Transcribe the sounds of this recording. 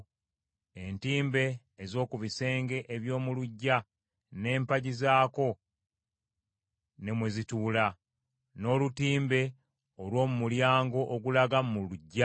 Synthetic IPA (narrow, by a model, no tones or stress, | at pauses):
e̞ntiːmbe̞ː | zo̞ːkuβise̞ːŋɡe̞ʔeβjo̞ːmuluɟːa | ne̞ːmpaɟizaːko̞ | ne̞mwezituːla | no̞ːlutiːmbe̞ | olwo̞ːmumuljaːŋɡo̞ʔoɡulaɡamuluɟːa